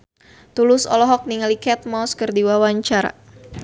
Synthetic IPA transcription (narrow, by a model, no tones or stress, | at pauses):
t̪ulʊsɔ̰lɔɦɔk̚niŋalikɛt̪̚mɔskərdiwawaɲt͡ʃaɾa̰